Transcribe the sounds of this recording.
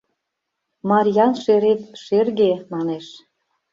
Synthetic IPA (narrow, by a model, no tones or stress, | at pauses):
mɑɾʲjɑnʃeɾet̪ʃerɣemɑneʃ